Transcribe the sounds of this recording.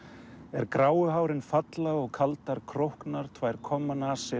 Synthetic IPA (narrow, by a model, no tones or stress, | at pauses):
ɛɾkɾaːwʏɦaːwɾɪnfat̪laɔɣkʰalt̪aɾkʰɾowhknaɾ̥t̪ʰvaːjɾ̥kʰɔmːanaːsɪ